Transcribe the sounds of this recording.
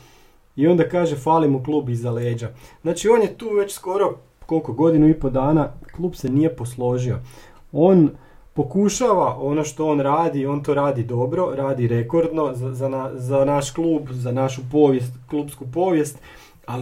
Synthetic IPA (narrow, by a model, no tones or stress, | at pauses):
io̞nd̪akaːʒefaːlimuklˠuːbizaleːd͡ʑaznaːt͡ʃio̞ːnje̞t̪uːʋe̞t͡ɕsko̞ɾo̞ | ko̞lˠkoɡo̞d̪inuipod̪aːnaklˠuːbsenije̞po̞slˠo̞ʒio̞ | o̞ːn | po̞kuʃaʋaʔo̞noʃt̪o̞oːnɾaːd̪io̞ːnt̪o̞ɾaːd̪id̪o̞bɾo̞ɾaːd̪iɾe̞ko̞ɾd̪no̞zazanazanaʃklˠuːbzanaʃupoʋjest̪kluːbskupo̞ːʋje̞st̪ | al